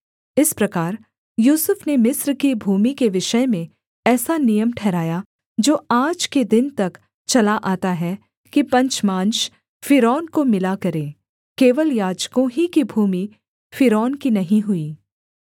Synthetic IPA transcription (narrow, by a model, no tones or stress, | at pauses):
ɪspɾɐkaːɾ | juːsʊfnemɪsɾkibʱuːmikeʋɪʃəmẽ | ɛːsanijəmʈʰɛːɾaːja | d͡ʒoːaːd͡ʒked̪ɪnt̪ɐk | t͡ʃɐlaʔaːt̪aɦɛ | kipɐ̃ɲt͡ʃmãːnʃ | fɪɾɔːnkomɪlakɐɾẽː | keːʋəljaːd͡ʒkõɦikibʱuːmi | fɪɾɔːnkinɐɦĩɦʊiː